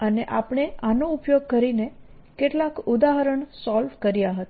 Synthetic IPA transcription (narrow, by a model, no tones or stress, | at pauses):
əneʔapɳ̃eanoupjoɡ̚kəɾine | keʈlakud̪aɦəɾəɳsɔlʋkəɾjaɦət̪a